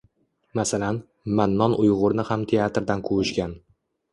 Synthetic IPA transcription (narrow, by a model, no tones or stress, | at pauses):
masalan | manːɒnʔʊjʁʊɾnɪhamt̪ʰeat̪ɾd̪ankʰʊwʊʃkʲan